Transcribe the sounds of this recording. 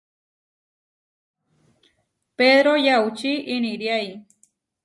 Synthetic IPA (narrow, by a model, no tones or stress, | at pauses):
peðɾojawt͡ʃiʔːniɾjaj